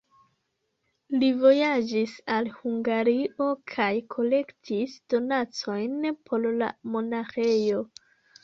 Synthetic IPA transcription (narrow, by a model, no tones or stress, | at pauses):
livo̞jad͡ʒisalhuŋɡaɾiʔo̞kʰajkʰo̞le̞ktʰisd̥o̞nat͡so̞jnpʰo̞ɾla̰mo̞naxe̞jo̞